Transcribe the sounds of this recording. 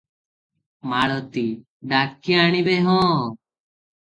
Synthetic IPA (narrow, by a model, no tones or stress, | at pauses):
maɽɔt̪i | ɖakːiaɽ̃ibeɦɔ̃ː